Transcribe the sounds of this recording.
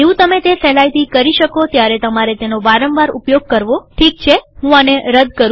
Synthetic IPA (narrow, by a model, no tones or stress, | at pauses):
d͡ʒeũt̪əmet̪efɛlajt̪ikəɾiʃəkot̪jaɾɛt̪əmaɾet̪enoʋaɾəmʋaɾṵpjoɡ̚kəɾʋoʈʰik̚t͡ʃʰeɦũaneɾəd̪kəɾũ